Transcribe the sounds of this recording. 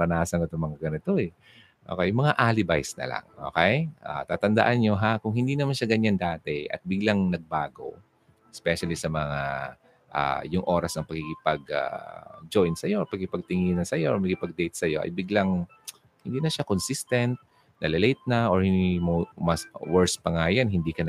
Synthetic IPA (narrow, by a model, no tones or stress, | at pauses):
ɐnaːsɐŋɪt̪omɐŋaɡɐnɪt̪o̞ʔɛ | ʔo̰kɛjʊŋmɐŋaʔaːlɪbajsnɐ̰la̰ŋʔo̰ːkɛjʔa̰t̪aːt̪ɐnd̪ɐ̰ʔanɲo̞ɦakʊŋhɪnd̪iːnɐmanʃaɡɐɲand̪aːt̪ɛʔɐ̰t̪̚bɪɡlaŋnɐɡ̚baːɡo̞̰ | ɛspɛʃɐlisɐmɐŋa̰ | ʔa̰jʊŋʔo̞ːɾɐsnɐŋpɐkikɪpɐɡa̰d͡ʒojnsɐjopɐɡ̚kɪpɐɡ̚t̪ɪŋinɐsɐjoʔɔɹmɐɡkɪpɐɡ̚d̪ɛjt̪̚sɐjo̞ʔɐ̰jbɪɡlaŋ | hɪnd̪iːnɐʃakonsist̪ɛnt̪̚ | nɐlɐlɛjt̪̚nɐʔoɹmomɐswɛɹspɐŋaːjɐnɦɪnd̪iːkɐn